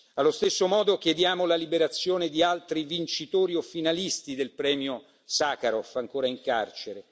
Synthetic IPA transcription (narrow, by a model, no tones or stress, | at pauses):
alːost̪esːomɔːd̪okjed̪jaːmolalibeɾat̪sːjoːned̪ialt̪ɾivint͡ʃit̪oːɾiofːinalist̪id̪elpɾɛːmjo | saːkaɾofaŋkoːɾaiŋka̰rt͡ʃeɾe